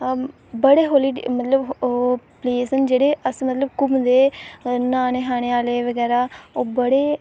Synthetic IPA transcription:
bəɽeːɦoːliːmət̪ləb | pleːsənd͡ʒeːɽeːʔəsmət̪ləbkʊmd̪eːnaːneːɦaːneːaːleːʋəɡɛːɾaːoːbəɽeː

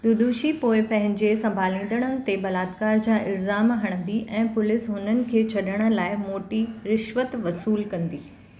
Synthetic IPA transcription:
d̪ʊd̪uːʃipoːɪpɐ̃ɦɪ̃ɲd͡ʑesɐ̃mbʱaːlĩːn̆d̪əɽ̃ənɪ̆t̪ebɐlaːd̪kaːɾd͡ʑaːʔɪlzaːmɦɐɽ̃ə̃nd̪iʔɛ̃ːpʊlɪsɦʊnənɪ̆kʰeːt͡ɕʰɐɗəɽ̃ə̆laːɪmoːʈiɾɪʃʋət̪ʋɐsuːlkɐ̃nd̪iː

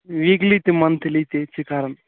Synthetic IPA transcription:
ʋiɡlit̪emɐnt̪ʰlit̪et͡ʃʰikaɾən

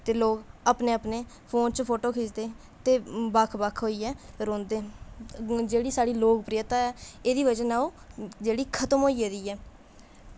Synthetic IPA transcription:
t̪eːloːkaːpneːaːpneː | pʰoːnt͡ʃpʰoːʈoːkʰɪsd̪eː | t̪eːbakʰbakʰɦoːiːɛː | ɾõːnd̪eː | d͡ʒeːɽiːsaːɽiːloːkpɾɪjət̪aːɛːeːd̪iːʋəd͡ʒənaːoː | d͡ʒeːɽiːkʰət̪əmɦoːiːeːd̪iːɛː

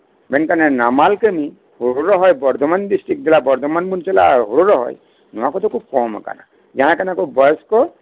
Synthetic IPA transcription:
bɛnkanɛnamalkəmi | hoɾuɾɔɦɔjbɔɾt̪ɔmandisʈɾik̚d̪ilabɔɾt̪ɔmanbunt͡ʃɛla̰ɦoɾuɾɔɦɔ̰j | nuakɔd̪ɔkukɔmɔ̰ka̰na̰ | d͡ʒaɦãkanakɔbɔjɔskɔ

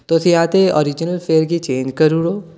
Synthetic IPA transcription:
t̪osiãːt̪eɔ̰ːɾɪd͡ʒnəlfeːɾkit͡ʃẽːɲd͡ʒkɐɾuɽoː

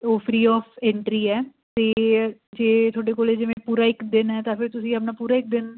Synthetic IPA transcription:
oːpʰɾiːɔːpʰɛ̃ɳʈɾiːɛː | t̪eːd͡ʒeːt̪ʰoːɖeːkoːleːd͡ʒɪʋẽːpuːɾaːɪkd̪ɪnɦɛːt̪ãːpʰɪɾt̪ʊsĩːəp̬naːpuːɾaːɪk̚d̪ɪn

